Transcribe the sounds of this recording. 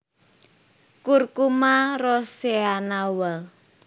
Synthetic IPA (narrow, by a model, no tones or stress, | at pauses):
kurkumarɔseanawal